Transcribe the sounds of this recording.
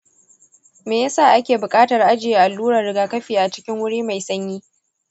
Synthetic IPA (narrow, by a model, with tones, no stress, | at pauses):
meː˨jaː˦saː˦˨ʔa˦kʲeː˨bʊ˨kʼaː˦tɐ˨rʔa˦d͡ʒɪ˨je˦˨ʔa˨lːuː˦ɽa˨rɽɪ˦ɡaː˨kɐ˦ɸiː˨ʔa˨t͡ʃɪ˦kʲɪ˦ŋwʊ˦ɽiː˦ma˨jsɐ˦ɲjiː˦